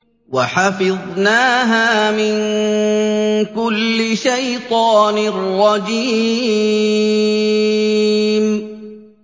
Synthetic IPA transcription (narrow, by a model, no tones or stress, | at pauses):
waħɑfɪðˤnaːɦaːmɪn | kʊlːɪʃajt̪ˤɑːnrˤːɑd͡ʒi | m